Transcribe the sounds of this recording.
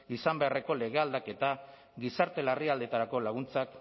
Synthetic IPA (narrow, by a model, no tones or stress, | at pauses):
isambeare̞ko̞le̞ɣ̞e̞ald̪ake̞t̪a | ɡisaɾt̪e̞lariald̪e̞t̪aɾako̞laɣ̞unt͡sak